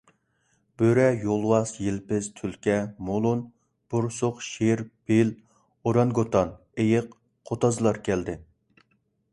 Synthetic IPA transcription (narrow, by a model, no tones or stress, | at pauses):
b̥øɾɛjolˠwɑsjelpɪz̥t̪ʰylkʲɛmolˠun | b̥ʊɾsʊqʃeɾb̥el | oɾɑnɡot̪ʰɑn | ejɪq | qʰːot̪ɑzlˠɑɾkʲʰɛld̪ɪ